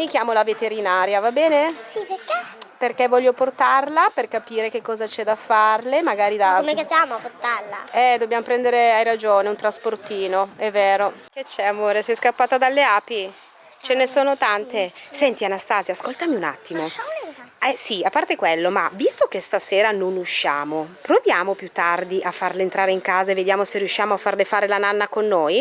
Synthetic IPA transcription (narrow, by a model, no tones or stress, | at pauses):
nik̟jaːmolavet̪eɾinaːɾjavabɛːnesipekɛperkevːɔʎːoport̪arlaperkapiːɾekekːɔːzat͡ʃɛd̪afːarlemaɡaːɾid̪aomekat͡ʃaːmoport̪alaɛd̪objamopɾɛnd̪eɾeajɾad͡ʒoːneunt̪ɾasport̪iːnoɛvːeːɾoket͡ʃːɛamoːɾesɛskapːaːt̪ad̪alːeaːpi | t͡ʃenesoːnot̪ant̪esɛnt̪ianast̪aːzjaːskolt̪amiuna̰t̪ːimo | ɛsiapːart̪ekwelːomavist̪ok̟est̪aseːɾanonuʃːaːmopɾovjaːmopjut̪ːard̪iʔafːarlent̪ɾaːɾeiŋkaːzaeved̪jaːmoserijuʃːiaːmoafːarlefaːɾelananːakonːoːj